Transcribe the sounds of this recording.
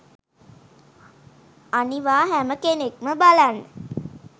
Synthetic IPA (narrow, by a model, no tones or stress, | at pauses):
aniʋaːɦæməkenekməbalanːə